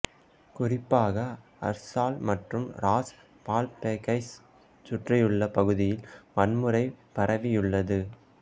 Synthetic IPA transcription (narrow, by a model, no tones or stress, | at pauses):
kʊrɪpːaːɣɐ | ɐ̰ɾsaːlmɐʈrɯmɾaːs | paːlpeːkɐɪs | t͡ʃʊʈrɐjɯɭːɐpɐɣɯðɪjɪlmɐnmɯɾɐɪpɐɾɐʋɪjɯɭːɐðɯ